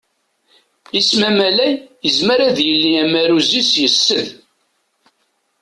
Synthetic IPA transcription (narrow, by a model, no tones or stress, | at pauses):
ismæmælæjjəzməɾæðjəlːiæmæɾuzisjəsːəð